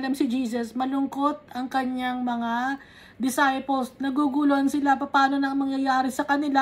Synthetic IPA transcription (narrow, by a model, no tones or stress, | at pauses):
lɐmsɪd͡ʒiːs̬ɐsmɐlʊŋko̞t̪̚ɐŋkɐɲjaŋmɐŋa | d̪ɪsajpolsnɐɡuɡuloʔɐnsɪlapɐpaːno̞nɐŋmɐŋjɐjaːɾɪsɐkɐnɪla